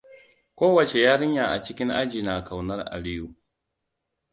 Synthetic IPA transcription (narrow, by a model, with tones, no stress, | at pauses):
kʷoː˦wɐ˨t͡ʃe˨jaː˦ɽɪ˦ɲjaː˨ʔa˨t͡ʃɪ˦kʲɪ˦ŋʔa̰˦d͡ʒiː˨na˨ka˨wnɐ˦rʔa̰˨lɪ˦ju˨